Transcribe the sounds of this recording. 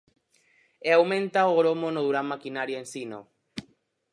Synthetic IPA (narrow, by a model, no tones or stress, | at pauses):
eawmẽnt̪aoɣɾomonoðuɾamːakinaɾjoensino̰